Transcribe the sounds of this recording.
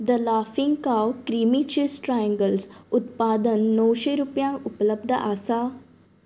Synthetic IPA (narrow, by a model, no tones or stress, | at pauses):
d̪əlaːfĩŋɡkaːwkɾiːmit͡ʃisʈɾajə̃ŋɡəlsʊt̪paːd̪ənːɔːʃeɾupjãːŋʊpləb̚d̪ʱəʔaːsaː